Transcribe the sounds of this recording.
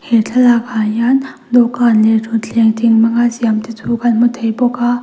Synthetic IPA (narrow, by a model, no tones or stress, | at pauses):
hetʰɐlakʰanjan | d̪okanletʰut͡ɬʰeŋtʰiŋmɐŋasijamt̪itʰukanmut̪ʰɐjbɔka